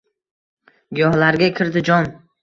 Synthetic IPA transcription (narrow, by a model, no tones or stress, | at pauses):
ɡʲɒhlaɾɡʲakʲʰɪɾd̪ɪd͡ʒɒn